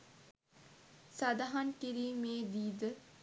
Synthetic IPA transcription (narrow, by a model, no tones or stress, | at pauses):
sɐd̪aɦankiɾiːmeːd̪iːd̪ə